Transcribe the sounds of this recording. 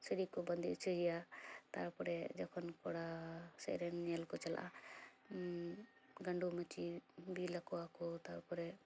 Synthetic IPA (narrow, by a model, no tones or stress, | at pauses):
səɽikɔbənd̪iʔt͡ʃʰəɦijat̪a̰ɾpɔɾɛd͡ʒɔkʰɔnkɔɽasɛ̰ɾɛnːɛlkɔt͡ʃala̰ʔa | ɡəɳɖumɛt͡ʃibilakɔakɔt̪aɾpɔɾɛ